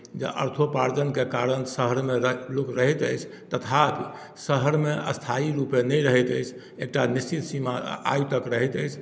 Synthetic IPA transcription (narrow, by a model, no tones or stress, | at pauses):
d͡ʒḛʔə̰ɾt̪ʰopaɾd͡ʒənkekaɾənsəɦəɾmeɾlokɾəɦɛt̪əjt͡ʃʰt̪ət̪ʰak | səɦəɾmeə̰st̪ʰaiɾupenəjɾəɦɛt̪əjt͡ʃʰ | ek̚ʈanist͡ʃit̪simaa̰jut̪əkɾəɦɛt̪əjt͡ʃʰ